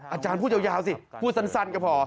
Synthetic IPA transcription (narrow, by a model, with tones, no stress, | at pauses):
ʔaː˧t͡ɕaː˧npʰuː˥˩˨wjaː˧˩wsi˧˩pʰuː˥˩t̪̚sa˧˥nsa˧˩nka˧˩pʰɔː˧˦